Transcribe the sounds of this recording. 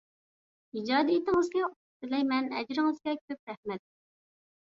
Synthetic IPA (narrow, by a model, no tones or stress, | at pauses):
id͡ʒɑːd̪ijit̪ɪŋɨzɡʲɛʊ | t̪ɪlɛjmɛnɛd͡ʒɾɪŋɨzɡʲɛkʲʰøp̚ɾæhmɛt̪̚